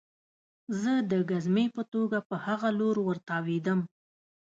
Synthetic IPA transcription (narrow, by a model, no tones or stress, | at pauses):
zəd̪əɡazmejpət̪oɡapəhaɣaloɾwəɾt̪ɑwed̪əm